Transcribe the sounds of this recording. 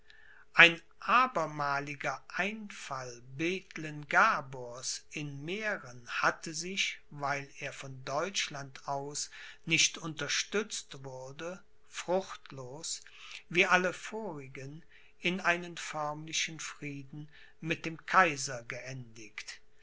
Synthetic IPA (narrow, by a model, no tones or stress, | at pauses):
ʔaɪn | ʔaːbɐmaːlɪɡɐʔaɪnfalbeːtʰlənɡaboɐsɪnmeːʁənhatʰəzɪʃvaɪleːɐfɔndɔʏt͡ʃlantaʊsnɪʃtʔʊntɐʃtʏt͡stv̥ʊʁdə | fʁ̥ʊxtloːs | viːʔaləfoːʁɪɡən | ʔɪnaɪnənfœɐmlɪʃənfʁ̥iːdn̩ | mɪt̚d̥eːmkʰaɪzɐɡəʔɛndɪkt